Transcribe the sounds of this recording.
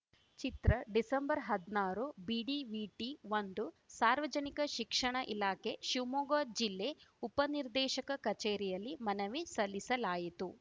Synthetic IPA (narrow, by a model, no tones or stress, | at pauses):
t͡ʃit̪ɾɐɖisɐmbɐɾɦɐd̪naːɾubiːɖiʋiːʈiʋond̪u | saːɾʋɐd͡ʒɐnikɐʃikʂɐɳɐʔilaːkʰeʃimoːɡoːd͡ʒilːeupɐniɾd̪ɛːʃɐkɐkɐt͡ʃeːɾijɐlːimɐnɐʋisɐlːisɐlaːjit̪u